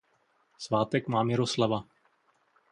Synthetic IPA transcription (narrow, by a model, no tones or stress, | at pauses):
svaːt̪ɛkmaːmɪɾoslava